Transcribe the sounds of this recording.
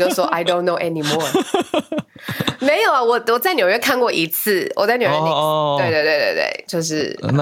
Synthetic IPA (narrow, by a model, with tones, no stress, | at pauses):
jo˥˧swɔ˦ʔa˨ɪdõ˥˦ʊ̃nːo˧ʊʔɛ˧ni˧mɔ˥ɹ | me˧˥ɪjo˨˩ʊa˨wɔ˨˩wɔ˨˩t͡sa˥˩ɪnjo˨ʊɥɛ˥˧kʰa˥˧nkwɔ˥˩ʔi˧˥t͡s̩ʰ˥˩wɔ̰˨˩t͡sa˥˩njo˨˩jtwe˥˧t̪we˥˧ɪt̪we˥˧wḛ˥˧t̪wḛ˥˩ɪt͡ɕjo˥˧ʊʂ̬ɻ̩˥˩